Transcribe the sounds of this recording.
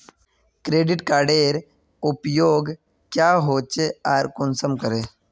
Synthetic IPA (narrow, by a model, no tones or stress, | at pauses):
kɾeːɖɪʈkaːɾɖeːɾ | ʊpjoːɡ | kjaːɦoːt͡ʃeaːɾkonsəmkəɾeː